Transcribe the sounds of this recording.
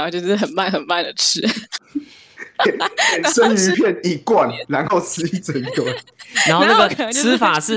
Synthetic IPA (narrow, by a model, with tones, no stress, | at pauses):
t͡ɕo˥˧ʂ̩˥˩xə˨˩nma˥˩nxə˨˩nma˥˩nd̪ə˩ʈ͡ʂʰɻ̩˥ | e˨˩ke˨˩sə˦ny˧˦pʰjɛ˥˨ni˨˩kwa˨˩nla˧˦nxo˥˨ʊsɹ̩˧˥i˥˩t͡sə˨˧˦nt̪wɔ˨˦a˧no˥˧na˥˩ɡə˨ksɹ̩˥fa˨˩ʂ̩˥˩